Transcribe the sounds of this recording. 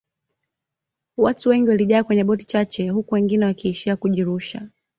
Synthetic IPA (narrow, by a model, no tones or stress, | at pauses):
watuwɛŋɡiwaliʄaːkwɛɲɛɓɔti̥t͡ʃat͡ʃɛhukuwɛŋɡinɛwakiːʃiakuʄiɾuʃa̰